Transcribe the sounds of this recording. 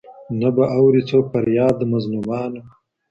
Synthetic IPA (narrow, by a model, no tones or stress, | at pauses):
nabaʔawɾit͡soːk̚paɾjɑːd̪əmazlumɑːna